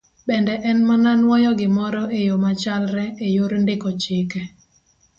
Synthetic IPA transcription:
bɛndɛʔɛnmananwɔjɔɡɪmɔɾɔʔejomat͡ʃalɾɛejoɾndɪkɔt͡ʃɪkɛ

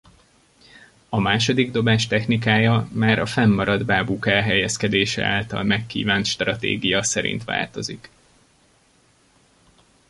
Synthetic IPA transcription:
ɒmaːʃo̞d̪iɡd̪o̞baːʃt̪ɛxnikaːjɒmaːɾɒfɛmːɒɾɒd̪baːbuːkɛlɦɛjɛskɛd̪eːʃɛ̰a̰ːlt̪ɒ̰lmɛkːḭːvaːnt̪ʃt̪rɒt̪ḛːɡijɒsɛɾḭnt̪ʋa̰ːlt̪o̞zik

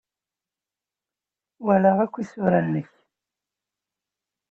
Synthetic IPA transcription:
wælaʁækʷːisʊɾanːəç

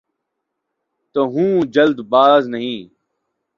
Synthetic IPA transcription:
t̪oːɦũːd͡ʒəld̪baːznəɦĩː

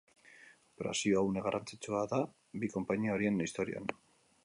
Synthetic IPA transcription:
opeɾa̰sioawneɣ̞arʔant͡sit͡suaða | biko̞mpaɲiao̞ɾie̞nist̪o̞ɾia̰n

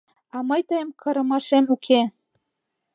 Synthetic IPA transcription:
ɑmɤjt̪ɤjəmkʰɤ̆ɾə̆mɑʃemukʰe

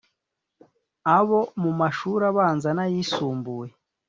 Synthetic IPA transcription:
aβo̞mumaʃuɾaβaːnzanajisuːmbuje

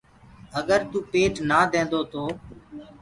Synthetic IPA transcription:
əɡəɾt̪uːpeːʈnaːd̪ẽːnd̪oːt̪oː

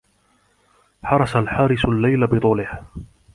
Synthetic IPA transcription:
ħɑɾˤɑsalħaːɾɪsalːajlabɨt̪ˤuːlɪh

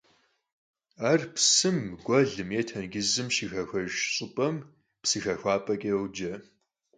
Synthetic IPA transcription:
aːrpsɨmɡʷɐɮɨmjetʰɐnɡɪzɨmʃixɐxʷɐʒɕʼɨpʼɐm | psɨxɐxʷaːpʼɐkʼewd͡ʒɐ

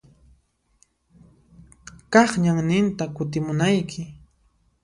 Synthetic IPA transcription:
kɑχɲaŋnɪnt̪akʊt̪ɪmʊnajkʰɪ

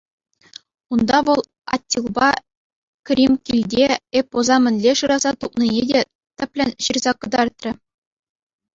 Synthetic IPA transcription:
und̪ɑʋɤ̆lˠ | ɑ̰tʲːilˠbɑ | krʲimʲkʲilʲdʲeepːozɑmʲɘ̆nʲlʲeʂɯɾɑzɑt̪up̚ninʲedʲe | t̪ʲɘ̆pʲlʲɘ̆nʲɕirzɑkɤ̆d̪ɑrt̪rʲɘ̆

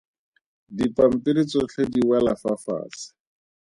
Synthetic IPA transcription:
dipam̩piɾit͡sɔt͡ɬʰediwalafafa̰ːsɪ̥

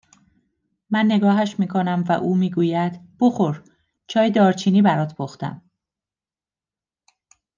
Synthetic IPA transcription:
mænːe̞ɡɒːɦæʃmiːkʰo̞næmvæ̰ʔuːmiːɡuːjæd̪̥b̥oxoɾ | t͡ʃʰɒːjd̪ɒːɾt͡ʃʰiːniːbæɾɒːt̪ʰpʰoxt̪æ̰m

